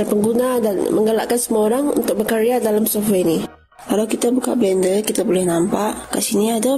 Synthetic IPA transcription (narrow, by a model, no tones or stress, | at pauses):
npəŋɡunadanmə̰ŋɡəlaʔkansəmuaoɾaŋṵnt̪ʊk̚bəkaɾiadalamsofeini | kalawkit̪abuka̰ʔbɛndəlkit̪abolɛhnampaʔkasiniada